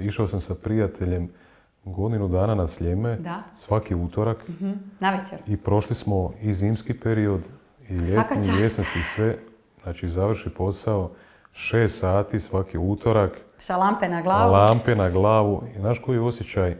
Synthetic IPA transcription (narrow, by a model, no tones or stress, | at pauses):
iʃaosamsapɾijat̪ʰeʎe̞m | ɡo̞d̪inud̪aːnanasʎeme̞asʋakiuːt̪o̞ɾaknaʋet͡ɕeɾipɾo̞ʃlismo̞iziːmskipe̞ɾio̞d̪ | iʎet̪niijesenskisʋe̞ | znaːt͡ʃizaʋr̩ʃipo̞sao̞ | ʃe̞ːst̪saːt̪isʋakiuːt̪o̞ɾak | salˠampenaɡlˠalˠampenaɡlˠaːʋuinaʃkojio̞sjet͡ɕaj